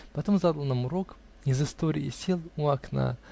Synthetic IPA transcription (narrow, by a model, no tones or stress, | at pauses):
pɐt̪omzad̪əlˠnamʊɾo̞k | izɨst̪oɾʲɪɪ̰sʲilˠuɐkna̰